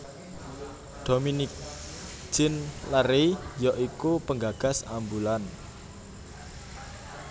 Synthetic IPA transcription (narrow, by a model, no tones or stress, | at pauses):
d̥ominik̚ | d͡ʒ̥ɪnləɾijɔʔikupəŋɡaɡ̥a̤sambulan